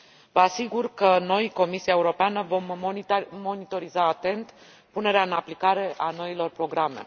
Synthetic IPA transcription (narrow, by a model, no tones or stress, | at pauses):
vəasiɡurkəno̞jko̞misiae̞uɾo̞peanəvo̞mː | o̞nit̪o̞ɾizaːt̪e̞nt̪ | pune̞ɾeaɨnaplikaɾe̞ʔano̞ilo̞rpɾo̞ɡɾame̞̰